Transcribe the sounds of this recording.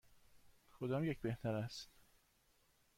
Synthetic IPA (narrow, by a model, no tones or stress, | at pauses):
xod̪ɒːmjecbeht̪ʰæɾæst̪